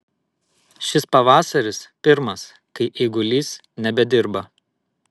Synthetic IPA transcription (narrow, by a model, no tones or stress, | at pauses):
ʃʲɪspɐʋɑːsɐɾʲɪspʲɪɾmɐs | kɐɪʔɪɡʊlʲiːs | nʲɛbʲɛd̪ʲɪɾbɐ